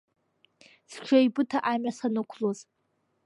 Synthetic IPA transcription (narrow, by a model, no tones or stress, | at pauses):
st͡ʃʷʰajbɨtʰaʔamasanɨkʷʰloz